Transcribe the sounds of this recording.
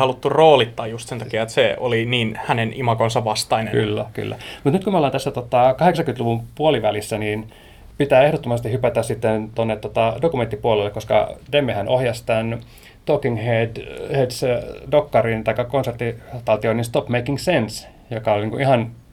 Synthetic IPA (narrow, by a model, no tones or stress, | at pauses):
hɑlut̪ːuroːlit̪ːɑːjjust̪sent̪ɑkiɑet̪seo̰liniːnhænenimɑkonsɑʋʋɑst̪ɑinenky̰lːæky̰lːæ̰mut̪nyt̪kumolɑnt̪æsːæt̪ot̪ɑkɑheksɑŋkyt̪luʋumpuoliʋælisːæniːn | pit̪æːehdot̪ːomɑst̪ihypæt̪æssit̪ːent̪onːet̪ːot̪ɑdokument̪ːipuolelːekoskɑ̰demːehænʔohjɑst̪æn | t̪okinhedhedsdokːɑrint̪ɑikːɑkonsert̪ːit̪ɑlt̪ioninst̪opmeikːiŋɡsens | jokɑolʲniŋkuihɑn